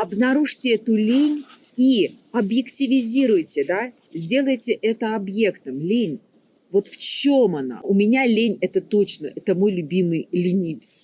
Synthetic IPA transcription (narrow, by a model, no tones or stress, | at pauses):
ɐbnɐɾuʐtʲɪɛt̪ʊlʲenʲ | i | ɐbjɪktʲɪvʲɪzʲiɾʊjtʲɪd̪a | zʲdʲe̞lˠəjtʲɪʔɛt̪əɐbje̞kt̪əmlʲenʲ | vo̞t̪ft͡ɕomɐna̰ʊmʲɪnʲalʲenʲɛt̪ət̪o̞t͡ɕnəʔɛt̪əmo̞jlʲʊbʲimɨjlʲinʲɪjfsʲ